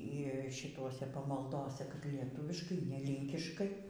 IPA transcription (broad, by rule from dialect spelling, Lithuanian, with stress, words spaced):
iː ʃʲɪˈtoːsʲɛ pɐmɐlˠˈdoːsʲɛ kɐt lʲiɛˈtʊʋʲɪʃkɐɪ nʲɛ ˈlʲiːŋʲkʲɪʃkɐɪ